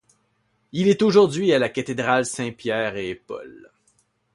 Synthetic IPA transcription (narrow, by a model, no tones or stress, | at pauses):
ilɛt̪oʒuʁd̪ɥialakat̪ed̪ʁalsɛ̃pjɛːʁepɔ̰l